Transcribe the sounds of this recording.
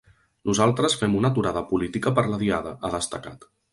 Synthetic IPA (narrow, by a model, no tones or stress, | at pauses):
nuzalˠt̪ɾəsfɛmunət̪uɾaðəpulit̪ikəpəɾləðia̰ðə̰ʔəðəst̪əka̰t̪